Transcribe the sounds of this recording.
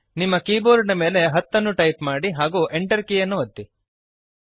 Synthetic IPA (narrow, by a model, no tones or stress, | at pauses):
nimːɐkiːboːɾɳɐme̞ːle̞ɦɐt̪ːɐnːuʈɐjpmaːɽiɦaːɡuːʔeɳʈɐɾkijɐnːuʋɐd̪ːi